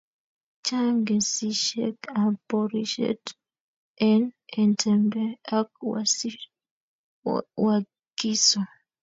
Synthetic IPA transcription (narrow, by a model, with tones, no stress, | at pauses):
t͡ʃa˦ŋɡɛ˨si˦ʃɛ̰˦kapɔɾiʃɛ̰t | ɛ˦nɛ˨ntʰɛmbɛa˦k̚wasi | wa | ki˦sɔ˨